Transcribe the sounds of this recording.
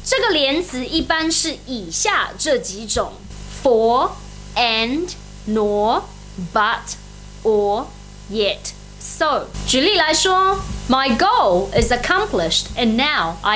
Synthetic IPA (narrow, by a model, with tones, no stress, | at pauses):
ʈ͡ʂə˥˩ɡə˨ljɛ˧˦nt͡sɹ̩˧˦i˥˩pa˦nʂɻ̩˥˩i˨˩ɕja˥˧ʈ͡ʂɤ˥˩t͡ɕi˧˥ʈ͡ʂʊ˨˩ŋ | fɔ˨ | ɛnd | nɔ˨˩ | bɐ˨˦t | ɔ˨˩ | jɛ˨˦t | so˨˩ʊt͡ʃu˨li˥˩la˧˦ɪʂwɔ˥ma˨ɪɡo˦ʊlˠɪ˨zəkʰɑ̃˦mpʰlɪ˨ʃtɨ̃˨nːa˥˦ʊʔa̰